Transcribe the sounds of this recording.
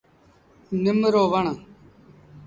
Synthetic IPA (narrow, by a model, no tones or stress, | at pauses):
nɪmɾoːʋəɳ